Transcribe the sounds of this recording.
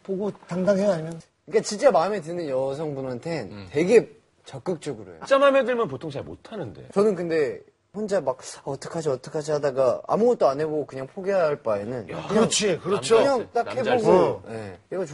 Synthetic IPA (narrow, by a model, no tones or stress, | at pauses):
poɡotaŋdaŋɦeɡaɲimjʌn | ik͈at͡ɕint͡ɕ͈amaɯme̞dɯnɯnjʌsʰʌŋbunantʰe̞nte̞ɡe̞ | t͡ɕʌk͈ɯk̚t͡ɕ͈ʌɡɯɾo̰j̰o̰t͡ɕ͈amamedɯɭmjʌnp̬otʰoŋt͡ɕʰaɭmo̰tʰanɯnde̞̰t͡ɕʌnɯnkɯnde̞ | ɸond͡ʑamak̚aʌt͈ʰʌkʰad͡ʑiʌt͈ʰʌkʰad͡ʑiɦadaɡaa̰muɡʌt̚t͈oanɦe̞boɡokɯɲaŋpʰoɡeɦaɭp͈aenɯnkɯɲaʌŋt͡ɕʰikɯɾʌt͡ɕʰɯɲaŋt͈akhe̞boɡoje̞̰eɡʌt͡ɕ